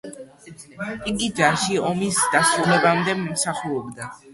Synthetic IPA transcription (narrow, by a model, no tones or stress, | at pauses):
iɡid͡ʒaʃiɔmisd̪̥asɾulɛbamd̪ɛmsaχuɔbd̪a